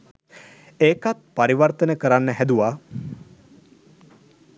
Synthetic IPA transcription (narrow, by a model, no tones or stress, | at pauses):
eːkat̪̚paɾiʋərt̪ənəkəɾanːəɦæd̪uʋaː